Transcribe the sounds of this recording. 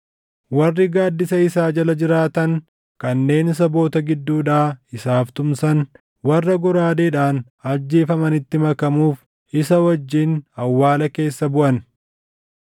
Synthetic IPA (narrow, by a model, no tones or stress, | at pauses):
wɐrːɪɡaːd̪ːɪsɐɪsaːd͡ʒɐlɐd͡ʒɪɾaːt̪ɐŋ | kɐnːe̞ːnɪs̬ɐbo̞ːt̪ɐɡɪd̪ːuːᶑaːɪsaːft̪ʊmsɐn | wɐrːɐɡɔɾaːd̪eːᶑaːn | ɐd͡ʒːeːfɐmɐnɪt̪ːɪmɐkɐmuːf | ɪsɐwɐd͡ʒːiːnɐwːaːlɐke̞ːsːɐbʊʔɐn